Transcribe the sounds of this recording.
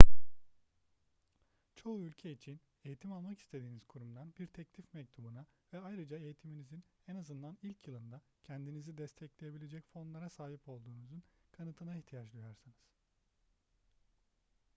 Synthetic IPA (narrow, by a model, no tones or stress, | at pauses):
t͡ʃʰo̞uylʲcʰeit͡ʃʰin | e̞jit̪ʰimalˠmakist̪ʰe̞d̪iːniz̥kʰuɾumd̪anbiɾt̪ʰɛclʲifmɛc̚t̪ʰubunavɛajɾɯd͡ʒae̞jit̪ʰiminizinɛnazɯnd̪anilʲcʰjɯlˠɯnd̪a | cʰɛnd̪inizid̪ɛst̪ʰɛclʲeje̞bilʲe̞d͡ʒɛcfo̞nlˠaɾasaːɦipʰo̞lˠd̪uːnuzunkʰanɯt̪ʰɯnaiçt̪ʰijat͡ʃld̪ˠujoɾsɯnɯz̥